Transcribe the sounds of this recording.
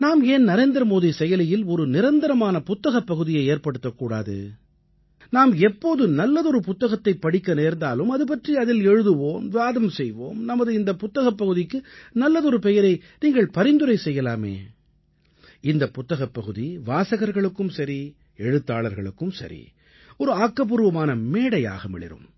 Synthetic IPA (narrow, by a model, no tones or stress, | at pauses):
naːmeːnnɐɾeːnd̪ɾɐmoːðisɛjɐlɐjɪlɔɾɯnɪɾɐnd̪ɐɾɐmaːnɐpʊt̪ːɐɣɐpːɐɣɯðɪjɐɪeːɾpɐɽɯt̪ːɐkːuːɽa̰ːðɯ̰ | naːmɛpːoːðɯnɐlːɐðɔɾɯpʊt̪ːɐɣɐt̪ːɐɪpːɐɽɪkːɐneːɾnd̪aːlɯmɐðɯp̬ɐʈriɐðɪlɛɻɯðɯʋoːmʋaːðɐmsɛjʋo̰ːmnɐmɐðɯɪnd̪ɐpʊt̪ːɐɣɐpːɐɣɯðɪkːɯnɐlːɐðɔɾɯpɛjɐɾɐɪniːŋɡɐɭpɐɾɪnd̪ɯɾɐɪsɛjːɐlaːmḛː | ɪnd̪ɐpːʊt̪ːɐɣɐpːɐɣɯðiʋaːsɐɣɐɾɣɐɭɯkːɯmsɐɾi | ɛɻɯt̪ːaːɭɐɾɣɐɭɯkːɯmsɐ̰ɾḭ | ɔɾɯaːkːɐp̬ɯɾɯʋɐmaːnɐmeːɽɐja̰ːɣɐmɪ̰ɭɪ̰ɾɯ̰m